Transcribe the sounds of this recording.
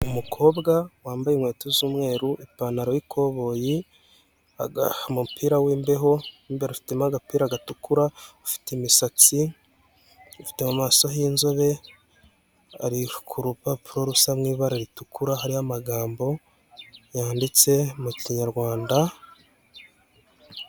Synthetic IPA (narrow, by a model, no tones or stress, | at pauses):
umukʰo̞ːbɡawaːmbajimwe̞ːtozuːmŋe̞ːɾuʔipaːnaɾowikʰo̞βo̞ːji | a̰ɡamupʰiːɾawiːmbe̞ɦo̞iːmbeɾafi̥temaɡapiːɾaːɡatukuɾaufi̥temisat͡si | ufi̥te̞mumaːso̞ɦiːnzoβe̞ | a̰ɾikʰuɾupapuɾoɾusamŋiːβaɾaɾitukuɾahaɾihamaɡaːmbo̞ | jaːndit͡se̞muciɲaɾɡwaːnda